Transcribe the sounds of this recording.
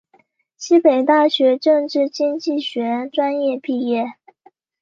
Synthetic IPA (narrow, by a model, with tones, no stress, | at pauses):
ɕi˥pe˨˩ɪt̪a˥˩ɕɥɛ˧˥ʈ͡ʂɤ˥˧ŋʈ͡ʂɻ̩˥˩t͡ɕi˥ŋt͡ɕi˥˩ɕɥɛ˧˥ʈ͡ʂwa˥njɛ˥˧pi˥˧jɛ˥˩